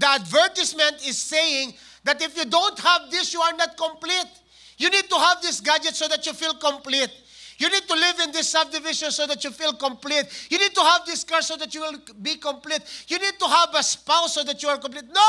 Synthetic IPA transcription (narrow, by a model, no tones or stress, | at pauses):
d̪əɐd̪vɛɹt̪ɪsmɛ̃nt̪ɪz̥ːejɪ̃ŋ | d̪at̪ɪfjud̪õʊnt̪̚hævd̪ɪsjuaɹnat̪̚kɔ̃mplit̪̚ | junid̪̚t̪uɦævd̪ɪsɡad͡ʒɛt̪soðat͡ʃjufilkɔ̃mplit̪̚ | junid̪̚t̪ulɪvɪ̃nd̪ɪsːʌb̚d̪ɪvɪʃɔ̃nsoðat͡ʃufilkɔ̃mplit̪̚junid̪̚t̪uɦævd̪ɪskaɹsod̪at͡ʃjuwɪlˠbikɔ̃mplit̪junid̪̚t̪uɦævɐspaʊsːoðat͡ʃjuaɹkɔ̃mp̬lit̪̚no